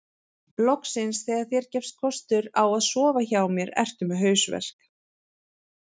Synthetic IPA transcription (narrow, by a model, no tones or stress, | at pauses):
plɔksɪnsθɛːɣaɾ̥θjɛɾ̥cɛfst̪̚kʰɔst̪ʏɾawaðsɔːvaçaːwmjɛɾɛ̰r̥t̪ʏmɪɦœːɥsvɛ̰r̥k